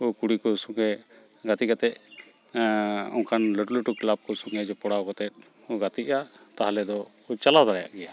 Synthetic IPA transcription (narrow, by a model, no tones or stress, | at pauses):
ukuɽikɔsuŋɡɛ | ɡat̪ikat̪ɛʔ̚ | ɔŋkʰanləʈluʈuklab̚kɔsuŋɡɛd͡ʒɔpɔɽaɔkɔt̪ɛt̪̚ˀ | uɡat̪iʔa | t̪aɦalɛd̪ɔ | ut͡ʃalad̪aɽɛja̰ʔɡɛja